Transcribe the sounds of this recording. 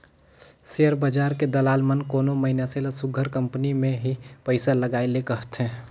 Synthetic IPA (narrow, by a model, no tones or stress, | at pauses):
sejəɾbəd͡ʒaːɾked̪əlaːlmənkoːnoməɦɪnaselasʊɡʱəɾkə̃mpənimẽɦipəɪsaləɡaːelekəɦət̪ɦɛ̃ː